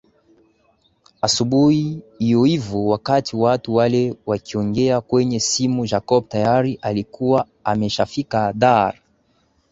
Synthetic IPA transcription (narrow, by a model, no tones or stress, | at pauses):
asuɓuiijɔivuwakatʰiwatuwalɛwakiɔŋɡɛakwɛɲɛsimuʒakɔb̚tajaɾiʔalikuwa | amɛʃafikaðaɾa